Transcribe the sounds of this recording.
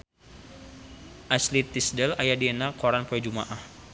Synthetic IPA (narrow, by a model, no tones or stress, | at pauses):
ʔaslit̪ːisdɛlajadiɛnakoɾanpuɛd͡ʒumaʔah